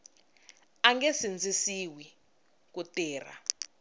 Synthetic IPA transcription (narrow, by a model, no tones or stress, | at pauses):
aŋɡɛsind͡zʱisiwi | kutɛːr̤a̰